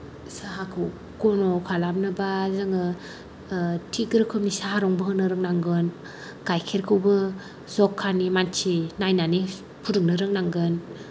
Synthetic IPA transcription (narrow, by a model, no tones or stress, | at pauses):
saɦakʰɯw | ɡ̥ɔnɔkʰalap̚nɯbazɯŋɯ | tʰiɡɾɯkʰɯpnisaɦaɾɔŋbɯɦɯnɯɾɯŋnaŋɡɯn | ɡ̥ajkʰeɾkʰɯwbɯ | zɔkʰːanimant͡ʃinajnane | pʰuɾɯŋnɯɾɯŋnaŋɡɯn